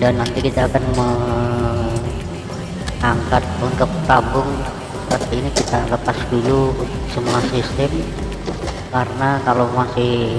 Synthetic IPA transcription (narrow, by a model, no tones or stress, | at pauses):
danːant̪ikit̪aːkanmə | aŋkat̪̚unt̪ʊk̚t̪abʊŋ | səpərt̪iːnikit̪aləpasduluunt̪ʊk̚səmuasist̪əm | kaɾənakalomasɪh